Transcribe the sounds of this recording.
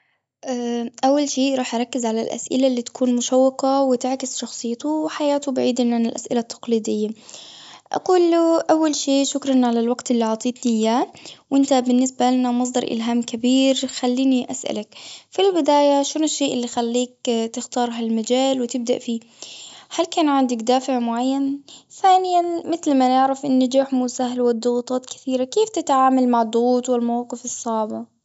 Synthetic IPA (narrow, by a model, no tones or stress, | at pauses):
ʔaːʔawːalʃeːʔɾˤɑːħʔɑɾˤɑkːɪzʕalalʔa̰sʔɪ̰laʔlːit̪ḁkʰuːnmʊʃawːɪqawɪt̪ɪʕkɪsʃɑxsˤɨjːt̪ʊwħajaːt̪ʊbaʕiːd̪ʔɪnʕanɪlʔasʔɪlat̪ʰːɑ̥qliːd̪ɪjːa | ʔɑ̰quːlːuʔawːalʃeːʃʊkɾˤɑnʕalalwɑɡt̪ɪlːiʕɑːt̪ˤiːt̪nɪjaːwʔɪnt̪abɪnːɪsbalanamɑs̬ˤd̪ˤɑɾˤʔɪ̰lɦaːmkabiːɾxalːiːniʔasʔa̰lakfilbɪd̪aːjaʃʊnɪʃːeːʔɪlːixalːiːk̚t̪ɪxt̪ɑːɾˤɦalmad͡ʒaːlwɪt̪ɪb̚d̪aʔfiː | halkaːnʕɪnd̪akd̪aːfɪʕmʊʕajːanθaːnɪjanmɪθlmanɪʕɾɪfʔɪnːad͡ʒaːħmʊsaɦalwɪd̪ːʊɣt̪ˤɑːt̪kɪ̥θiːɾakeːft̪ɪt̪ʕaːmalmaʕɑd̪ˤːʊɣuːt̪ˤwɪlmawɑːqɨfɨsˤːɑʕbɑ